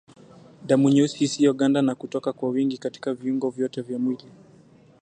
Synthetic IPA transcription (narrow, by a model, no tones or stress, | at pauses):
damuɲushisiɔɠandanakutɔkakwawiŋɡikati̥kaviuŋɡɔvjɔtɛvjamwila